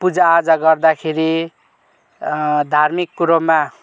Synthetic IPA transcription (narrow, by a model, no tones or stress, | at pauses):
pud͡zaːd͡zaɡʌrd̪akʰeɾi | d̪ʱarmikːuɾomːa